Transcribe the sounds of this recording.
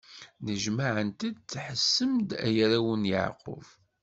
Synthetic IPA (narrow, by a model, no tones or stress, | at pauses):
nəʒmaʕənt̪id̪̚t͡sːħəsːəmd̪æ̰jɾæwənjə̰ʕqʊ̰v